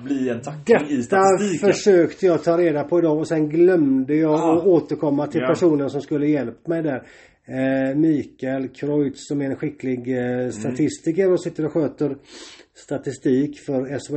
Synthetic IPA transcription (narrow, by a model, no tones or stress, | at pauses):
b̪id̪ɛt̪ːafœʂøːkt̪əjɑːt̪ʰɑːɾeːd̪apʰɔɪd̪ɑːɔsɛnɡlœmd̪əjɑːɔoːt̪əɾkʰɔmːat̪ʰɪlpʰæʂuːnənsɔmskɵlːəjɛlpːmɛjd̪æɾ | miːkaɛlkʰɾɔjt̪sɔmɛɾɛnɧɪkːlɪɡst̪at̪ʰɪst̪ɪkəɾɔsɪt̪ːəɾɔɧøːt̪əɾst̪at̪ɪst̪iːkfœɾɛs